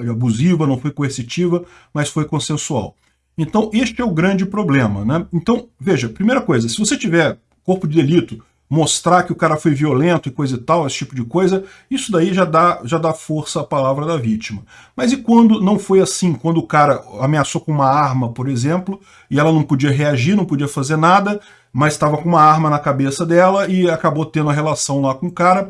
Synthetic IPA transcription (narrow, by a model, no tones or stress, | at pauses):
abuzivɐnɐ̃w̃fojkoeɾsit͡ʃivɐ | mɐsfojkõsẽsua̰w | ẽnt̪ɐ̃w̃est͡ʃɪɛʊɡɾɐ̃nd͡ʒɪpɾoblẽmɐnɛẽnt̪ɐ̃w̃veʒɐpɾimejɾɐkojzɐsɪvoset͡ʃivɛ | koɾpʊd͡ʒɪd̪elit̪ʊ | most̪ɾakɪʊkaɾɐfojviolẽnt̪ʊɪkojzɪt̪awesɪ̥t͡ʃipʊd͡ʒɪkojzɐ | isʊd̪aiʒad̪aʒad̪afoɾsɐːpalavɾɐd̪ɐvit͡ʃimɐ | mɐzɪkwɐ̃nd̪ʊnɐ̃w̃fojasĩkwɐ̃nd̪ʊkaɾɐameasokõũmɐaɾmɐpoɾezẽmplʊ | ɪɛlɐnɐ̃w̃pod͡ʒiɐɦeaʒiɾnɐ̃w̃pod͡ʒiɐfazeɾnad̪ɐ | mɐzɪst̪avɐkõũmɐaɾmɐnɐkabesɐd̪ɛlɐɪakabot̪ẽnd̪ʊ̃ɐɦelasɐ̃w̃lakõʊkaɾɐ